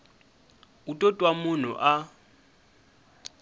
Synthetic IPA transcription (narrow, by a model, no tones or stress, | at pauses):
utʼɔtʼwamʊn̤ṵʔa